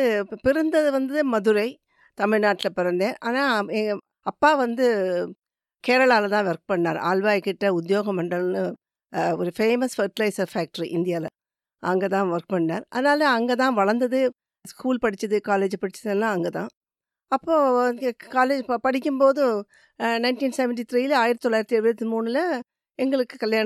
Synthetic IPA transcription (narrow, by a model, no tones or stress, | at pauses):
pɪɾɯnd̪ɐðɯʋɐnd̪ɯmɐðɯɾɐɪ | t̪ɐmɪɻnaːʈːɪlɐpɪɾɐnd̪ẽːʔaːnaːɛŋɡ | ɐpːaːʋɐnd̪ɯ | keːɾɐɭaːlɐt̪ãːʋɐɾk̚pɐɳːaːɾa̰ːlʋaːjkɪʈːɐʊd̪ɪjoːɣɐmɐɳɖɐlnɯ | ɔɾɯfeːmɐsfɐɾʈɪlɐɪsɐɾfaːk̚ʈɐɾiʔɪnd̪ɪjaːlɐ | ʔɐŋɡet̪ãːʋɐɾk̚pɐɳːnaːɾʔɐðɐnaːlɐɐŋɡet̪̬ãːʋɐɭɐnd̪ɐðɯ | skuːlpɐɽɪt͡ʃːɐðɯkaːleːd͡ʒpɐɽɪt͡ʃːɐðɐnːãːɐŋɡet̪ã̰ː | ɐpːoːkaːleːd͡ʒpɐɽɪk̬ʲːɯmpoːðɯ̃ | nɐɪnʈiːnsɛʋɛɳʈ̬it̪ɾiːɪlaːjɪɾɐt̪ːɔlːaːjɪɾɐt̪ːɛɽɯɐt̪ːimuːnɪlɐ | ɛŋɡɐɭɯkːɯkɐljaː